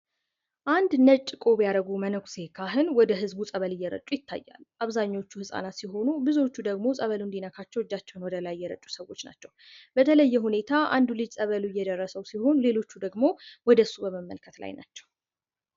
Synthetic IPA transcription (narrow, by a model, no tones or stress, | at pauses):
ʔand̪nət͡ʃʼːɨkʼo̞bjaɾəɡumənəɡʷse̞kʰaɦɨnwɔd̪əɦɨzbusʼəβəlɪjːɛɾə̰t͡ʃʼujɪt̪ʰːa̰jːa̰lʔaβzaɲːaot͡ʃːuhɨsʼa̰nat̪siɦo̞nubɨzwo̞t͡ʃːud̪əɡmo̞sʼəβəlund̪inəkʰat͡ʃːɛwɨd͡ʒːat͡ʃːɛwnwɔd̪əlajːɛɾə̰t͡ʃʼu̥səwo̞t͡ʃːna̰t͡ʃːɛw | b̥ət̪ʰələjːɛhune̞t̪ʰaa̰nd̪ulɨd͡ʒsʼəβəluɪjːɛd̪ərːəsəwsiho̞nlelo̞t͡ʃːud̪əɡmo̞wɔd̪əsubəməmːə̰lkʰət̪la̰jna̰t͡ʃːɛw